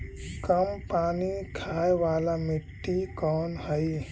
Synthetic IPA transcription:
kəmpaːnikʰaːeʋaːlamɪʈːikɔːnhəj

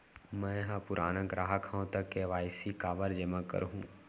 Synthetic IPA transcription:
mɛ̃ːɦãpʊɾʔaːnəɡɾaːɦəkʰãõt̪əkːeʋaːɪsikaːʋəɾd͡ʒəmãkə̰ɾɦṵ̃ː

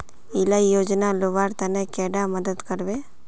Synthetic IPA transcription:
ilaijoːd͡ʒnaloʋaːɾt̪ɐnekeːɖamɐd̪əd̪kəɾʋe

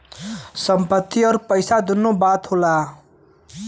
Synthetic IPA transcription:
sʌmpʌt̪ːiʌɾpʌjsad̪unːobat̪hola

